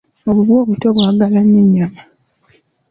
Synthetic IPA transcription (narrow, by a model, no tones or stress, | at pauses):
o̞βuβwo̞ːβuto̞βwaːɡalaɲːeɲːama